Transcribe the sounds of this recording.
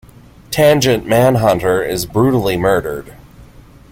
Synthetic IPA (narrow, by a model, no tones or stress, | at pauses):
tʰæ̃nd͡ʒɨ̃nʔmæ̃nɦʌ̃ntə˞ɪzbɹʉɾl̩ˠimɜ˞ɾə˞d̥